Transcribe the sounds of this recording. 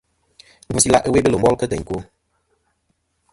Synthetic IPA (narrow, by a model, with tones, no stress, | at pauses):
ŋ̩˦pu˨si˦la˦ʔə˦we˦bə˦lo˨m˦ɔ˦lkə˦tə̰˨ɲ˨ko˦